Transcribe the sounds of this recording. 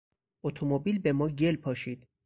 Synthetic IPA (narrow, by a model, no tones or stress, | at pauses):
ʔot̪ʰomobiːlbe̞mɒːɟelpʰɒːʃiːd̪̥